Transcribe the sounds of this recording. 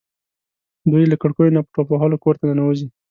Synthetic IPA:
d̪ujlakəɽkojonapə̥ʈopaɦɑlokoɾt̪ananawəzi

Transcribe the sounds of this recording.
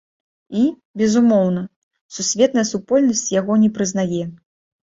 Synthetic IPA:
i | bʲɛzumɔwnɐ | susʲvʲɛt̪nɐjɐsupɔlʲnɐsʲt͡sʲjaɣɔnʲɛpɾɨznajɛ

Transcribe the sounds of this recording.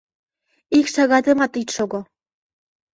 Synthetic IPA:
ikʃɑɣɑd̪ɤmɑt̪it̪ʃoɡo

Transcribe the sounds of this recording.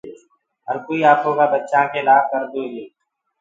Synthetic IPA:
ɦəɾkoiːaːpɦõːɡaːbətːʃãːkelaːɡ̚kəɾd̪uːɡeː

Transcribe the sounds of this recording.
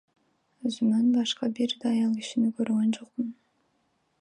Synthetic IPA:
øzymønbɑʃqɑbiɾd̪ɑjɑlˠiʃinɪkʰøɾɡʲønd͡ʒoqpʊn

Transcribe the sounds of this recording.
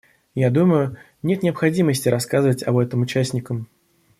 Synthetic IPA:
jad̪uməjʊ | nʲe̞t̪nʲɪɐpxɐdʲiməsʲtʲɪɾɐskazɨvətʲɐbɛt̪əmʊt͡ɕæsʲnʲɪkəm

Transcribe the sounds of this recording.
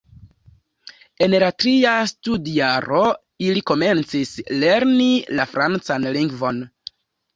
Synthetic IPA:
e̞nlatɾiastudjaɾo̞ | iliko̞me̞nt͡sisle̞ɾnilafɾant͡sanliŋɡvo̞n

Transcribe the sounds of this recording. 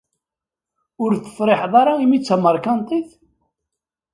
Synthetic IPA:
ʊɾt͡sːə̥fɾˤɪħðˤɑɾˤaimit͡sːæməɾˤkɑnt̪ˤiθ

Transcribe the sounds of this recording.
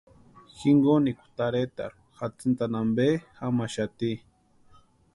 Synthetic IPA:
xiŋɡonikʷu̥t̪aɾet̪a̰ɾ | xat͡sɨnt̪anambexamaʃat̪i

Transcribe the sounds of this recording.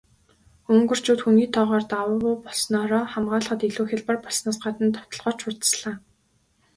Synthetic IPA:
ɵŋɡɵ̆r̥t͡ɕuːt̪xuniːt̪ʰɔːʁɔːrt̪awʊːʊːpɔɮsnɔːɾɔːχamɢaːɮχə̆t̪iɮuːxʲĕɮpɔrpɔɮsnaːsɢat̪ə̆nt̪ʰɔ̥w̥t̪ɞ̆ɮʁɔːr̥t͡ɕʰʊrt̪ə̥̆sɮaː

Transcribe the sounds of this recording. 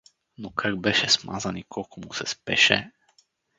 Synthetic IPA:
nukʰaɾbɛʃɛsma̰zanikʰokomusɛspɛ̰ʃɛ̰

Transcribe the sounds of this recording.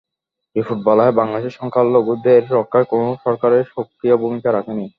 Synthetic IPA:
efuʈ̚bɔlaebaŋlad̪eʃeʃɔŋkʰalːoɡud̪eɾɾɔkʰːaɾekonoʃɔɾkaɾeɾʃokɾiobʱumikaɾakʰeni

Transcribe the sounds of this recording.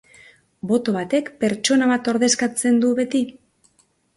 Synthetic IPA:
bo̞t̪o̞β̞at̪e̞kpe̞ɾt͡ʃo̞naβat̪o̞ɾðe̞skat͡se̞nd̪uβe̞t̪i

